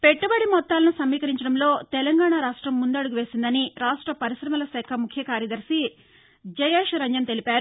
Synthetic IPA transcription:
peʈːubɐɽimɔt̪ːaːlɐnusɐmːiːkɐɾiɲt͡ʃɐɽɐmlo̞ːt̪ɛlɐŋɡaːɳaːɾaːʂʈɾɐmːund̪ɐɽuɡuʋeːsind̪ɐniɾaːʂʈɾɐpɐɾiʃɾɐmɐlɐsɛːkʰɐmukʰjɐkaːɾjɐd̪ɐɾsi | d͡ʒɐjeːʃɾɐɲd͡ʒɐnt̪elipaːɾu

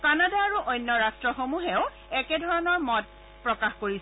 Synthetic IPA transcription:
kanadaːɹuʔojnːɔɹastɹɔxomuɦeʊ | ɛkɛdʱɔɹɔnɔɹmɔt̚ | pɹɔkaxkoɹis

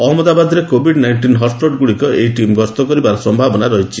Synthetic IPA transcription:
ɔɦmɔd̪abad̪ɾekobʱiɖnajnʈinɦɔsʈoɖɡuɽikɔejʈimɡɔst̪ɔkɔɾibaɾɔsɔmbʱabɔnaɾɔɦit͡ʃʰi

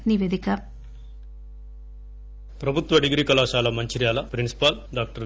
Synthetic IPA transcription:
niʋeːd̪ikɐ | pɾɐbʱut̪ʋɐɖiɡɾiːkɐlaːʃaːlɐmɐɲt͡ʃiɾjaːlɐpɾinsi̥paːlɖaːk̚ʈɐɾ

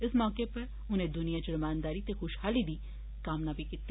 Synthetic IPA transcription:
ɪsmɔːkepɐɾ | ʊnẽd̪ʊnijat͡ʃʊɾmaːnd̪aːɾit̪exʊʃhaːlid̪iː | kaːmnaːbʱikɪt̪ː

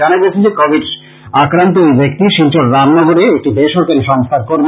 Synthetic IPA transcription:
anaɡet͡ɕʰed͡ʑekɔbʱiɖ | akɾant̪oejbek̚t̪iʃint͡ɕoɾɾamnɔɡoɾeek̚ʈid̪eʃɔɾkaɾiʃɔŋst̪ʰaɾkoɾb

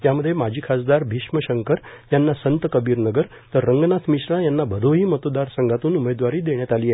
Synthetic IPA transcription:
t̪jaməd̪ʱːjemad͡ʑʱiːkʰasd̪aɾbʱiʂməɕəŋkəɾjanːasənt̪əkəbiːɾnəɡəɾ | t̪əɾːəŋɡnat̪ʰmiɕɾãjanːabʱəɾoɦiːmət̪od̪aɾsəŋɡʱat̪uːnumed̪ʋaɾiːd̪eɳ̃jat̪aliːjɛ

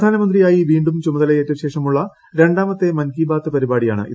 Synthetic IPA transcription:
d̪ʱaːnɐmɐnd̪rijaːjiʋiːɳɖumt͡ɕumɐðɐlɐjeːtːɐmɕe̞ːʂɐmuɭːɐ | ɾe̞ɳɖaːmɐt̪ːe̞mɐnkiːbaːt̪ːɨpɐɾibaːɽijaːɳɨ̰ʔḭ

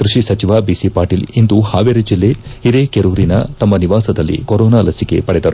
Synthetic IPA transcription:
kɾuʂisɐt͡ʃiʋaːbisipaːɾʈiːlind̪uhaːʋeɾid͡ʒilːe̞hiɾekeɾuːɾinɐ̰t̪ɐmːɐniʋaːsɐd̪ɐlːḭkoɾoːnaːlɐsike̞pɐɽɛd̪ɐɾu

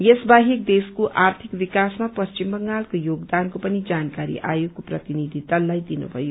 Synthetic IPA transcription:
jesbaɦik̚d̪eskoʔʔart̪ʰikbikasmapʌst͡ʃimbʌŋɡalkojoɡd̪ankopʌnid͡zankaɾḭʔa̰jokoprʌt̪inid̪ʱit̪ʌlːajd̪inṵbʱʌjo

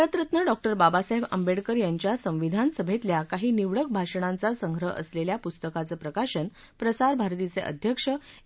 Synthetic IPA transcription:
ɾət̪ɾət̪nəɖɔk̚ʈəɾbabasaɦebə̰mbeɽkəɾjaɲt͡ɕjasə̃w̃ʋid̪ʱansəbʱet̪ljakaɦiːniʋɽək̚bʱaʂɳ̃ant͡sasəŋɡʱɾəʔə̰sleljapust̪əkat͡səːpɾəkaɕən | pɾəsaɾbʱaɾt̪it͡seʔə̰d̪ʱjəkʂə

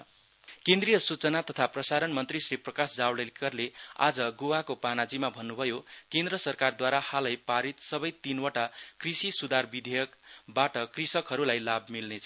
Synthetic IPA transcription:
kẽnd̪rijʌsut͡sʌnat̪ʌt̪ʰaprʌsaɾʌnmʌnt̪risriprʌkasd͡zawlelkʌrlea̰d͡zʌɡowakopanad͡zimabʱʌnːubʱʌjokend̪ɾʌsʌrkard̪waɾahalʌjpaɾit̪sʌbʌjt̪inwʌʈakrisisud̪ʱarbid̪ʱejʌkbaʈʌkrisʌkɦʌɾulajlabmilnet͡sʰʌ

